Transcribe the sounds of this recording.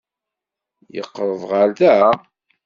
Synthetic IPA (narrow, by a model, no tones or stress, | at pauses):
jə̰qːɾˤəðˤʁaɾðæ